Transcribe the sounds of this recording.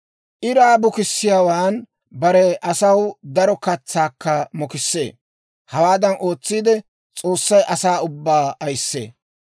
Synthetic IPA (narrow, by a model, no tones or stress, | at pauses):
ʔɪɾaːbʊkɪsːɪjaːwaːn | bɐɾɛʔɐsɐwd̪ɐɾɔkɐt͡sːaːkːɐmɔkɪsːḛː | hɐwaːd̪ɐnʔo̞ːt͡sːiːd̪ɛ | t͡sʼo̞ːsːɐjʔɐsaːʊbːaːɐjsːḛː